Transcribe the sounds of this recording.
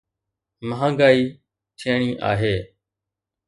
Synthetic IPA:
məɦãːɡaːiː | tʰiːəɳ̃iːʔa̰ːɦeː

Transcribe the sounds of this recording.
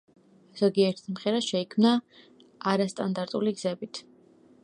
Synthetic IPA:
z̥ɔɡiɛɾt̪ʰi̥smχɛɾaʃɛikʰmna | aɾast̪ʼand̪aɾt̪ʼuliɡz̥ɛbit̪ʰ

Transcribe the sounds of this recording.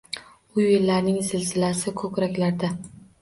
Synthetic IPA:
ʊjelːaɾnɪŋzɪlzɪlasɪkʰɵkɾakʲlaɾd̪a

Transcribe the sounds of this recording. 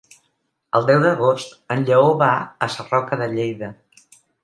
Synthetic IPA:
əlˠd̪ɛwðəɣost̪ənʎəoβaəsərɔkəðəʎejðə

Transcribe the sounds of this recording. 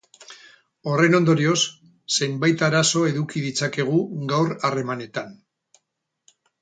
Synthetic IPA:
o̞re̞no̞nd̪o̞ɾio̞sː | e̞mbajt̪aɾaso̞e̞ðukið̞it͡sake̞ɣ̞uɡawɾare̞mane̞t̪an

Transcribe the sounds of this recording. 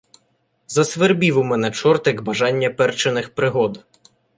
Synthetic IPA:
zɐsʋerbʲiwʊmɛnɛt͡ʃɔrt̪ɪkbɐʒɑnʲːɐpɛrt͡ʃenɪxpɾɪɦɔd̪

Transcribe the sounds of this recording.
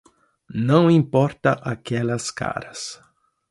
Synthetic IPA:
nɐ̃w̃ĩmpɔɾt̪ɐʔakɛlɐska̰ɾɐs

